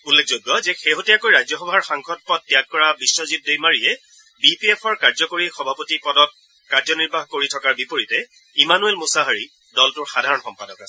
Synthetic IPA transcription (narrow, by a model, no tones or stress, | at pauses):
ulːek̚ʰzoɡːɔzɛxeɦotijakojɹajzɔxɔbʱaɹxaŋkʰxʰɔd̚pɔd̚ːijak̚ːɔɹabisːɔzidojmaɹijɛ | bipiepʰɔɹkaɹzɔkoɹixɔbʱapotipɔdɔt̚ | kaɹzɔniɹbʱaɦkoɹitʰɔkaɹbipoɹitɛ | imanuelmusaɦaɹi | dɔltʊɹxadʱaɹɔnxɔmpadɔkas